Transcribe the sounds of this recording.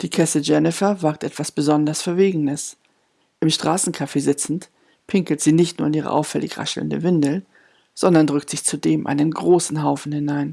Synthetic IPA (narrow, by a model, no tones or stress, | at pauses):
d̥iːkʰɛsəd͡ʒɛnɪfɐvaɐk̚tʔɛtv̥asb̥əzɔndɐsfɛɐveːɡŋ̩əs | ʔɪmʃtʁ̥aːsn̩kʰafeːzɪt͡sn̩t | pʰɪŋkl̩tz̥iːnɪçtnuːɐɪniːʁə̰ʔa̰ʊfɛ̰lɪ̰çʁa̰ʃl̩̰ndə̰vɪndl̩ | z̥ɔndɐndʁʏktz̥ɪçt͡sudeːmʔa̰ɪnənɡʁoːsn̩ɦaʊfn̩hɪnaɪn